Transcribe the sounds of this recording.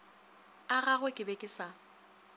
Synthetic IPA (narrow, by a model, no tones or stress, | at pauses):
aɣaɣwekʼɪbekʼɪsa